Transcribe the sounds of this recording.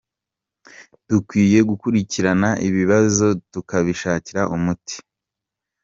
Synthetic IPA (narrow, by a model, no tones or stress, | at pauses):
dukwiːje̞ɡukuɾiciɾanaʔiβiβazo̞tukaβiʃaːciɾaʔumuti̥